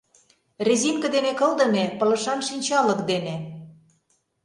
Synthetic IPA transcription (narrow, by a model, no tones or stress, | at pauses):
rʲezimkə̆d̪enekɤ̆ld̪ɤ̆nepɤ̆lɤ̆ʃɑnʃinʲt͡ɕɑlɤ̆kd̪ene